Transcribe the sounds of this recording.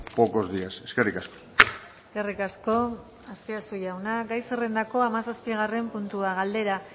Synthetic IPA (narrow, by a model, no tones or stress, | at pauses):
poko̞zdiase̞skerikasko̥ | eske̞rikasko̞ | ast̪easujawnaɡajsere̞nd̪ako̞amasaspiɣare̞mpunt̪uaɣ̞ald̪e̞ɾa